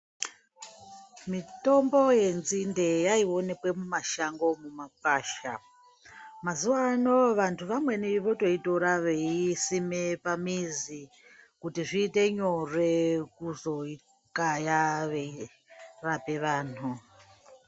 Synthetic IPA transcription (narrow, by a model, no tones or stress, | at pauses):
mito̞mbo̞je̞nzindejaio̞ne̞kwe̞mumaʃaŋɡo̞mumap̚aːʃa | mazuanoʋantʰuʋamwe̞niʋo̞to̞itoɾaʋeisimepamizi | kutiʐiːte̞ɲorekuzo̞i | kajaʋei | rapeʋaːn̤u